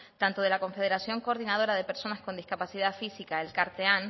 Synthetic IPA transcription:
t̪ant̪oð̞e̞lako̞ɱfe̞ð̞e̞ɾasjo̞ŋko̞ːɾðinaðo̞ɾaðe̞pe̞ɾso̞nasko̞nd̪iskapasiðafisikaelkaɾt̪ean

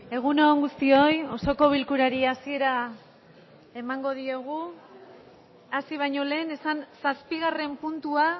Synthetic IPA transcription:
e̞ɣ̞unoŋɡust̪io̞jo̞so̞ko̞β̞ilkuɾaɾiasie̞ɾa | e̞maŋɡo̞ð̞ieɣ̞u | asiβ̞ajɲo̞le̞ːne̞sansaspiɣ̞are̞mpunt̪ua

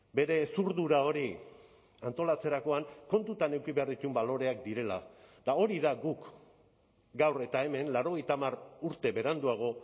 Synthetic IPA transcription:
be̞ɾe̞ːsuɾðuɾao̞ɾi | ant̪o̞lat͡se̞ɾako̞aŋko̞nt̪ut̪ane̞wkiβe̞arðit̪umbalo̞ɾe̞ak̚d̪iɾe̞lad̪̥ao̞ɾiðaɡuk | ɡawre̞t̪ae̞me̞nlaɾo̞ɣ̞e̞jt̪amaruɾt̪e̞βe̞ɾand̪uaɣ̞o̞

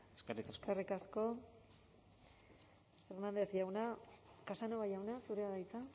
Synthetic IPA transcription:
eskerikskerikasko̞ | feɾnand̪esʝawnakasanoβajawnasuɾeaðajt͡sa

